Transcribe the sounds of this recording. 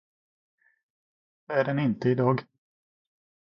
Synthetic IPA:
æɖɛnɪnt̪əɪd̪ɑːɡ

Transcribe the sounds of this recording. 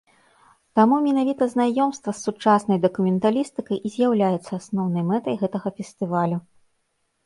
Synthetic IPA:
t̪amumʲɛnavʲit̪ɐznajɔmst̪vɐsːut͡ʂasnɐjd̪ɐkumʲɛnt̪alʲist̪ɨkɐjʔizʲjawlʲajɛt̪sːɐasnɔwn̪ɐjmɛt̪ɐjɣɛt̪ɐɣɐfʲɛst̪ɨvalʲu

